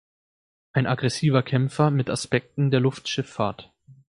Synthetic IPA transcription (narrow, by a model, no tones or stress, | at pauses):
ʔaɪnʔaɡʁɛsiːvɐkʰɛmfɐmɪtʔaspɛk̚tn̩deːɐlʊftʃɪfːaːɐt